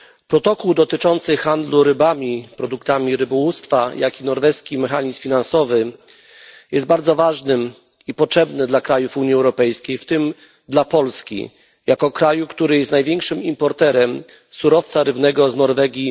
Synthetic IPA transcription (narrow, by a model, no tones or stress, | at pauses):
pɾɔt̪ɔkuwd̪ɔt̪ɘt͡ʂɔnt̪sɘxand̪luɾɘbamʲipɾɔd̪ukt̪amʲiɾɘbɔwust̪fajakinɔɾvɛskʲimɛxaɲismfʲinansɔvɘ | jɛst̪baɾd̪zɔvaʐnɘm | ipɔtʂɛbnɘd̪lakɾajufuɲiɛwɾɔpɛjskʲejft̪ɘm | d̪lapɔlskʲḭ | jakɔkɾajukt̪uɾɘjɛst̪najvʲjɛŋkʂɘmimpɔɾt̪ɛɾɛm | suɾɔft̪saɾɘbnɛɡɔznɔɾvɛɡʲi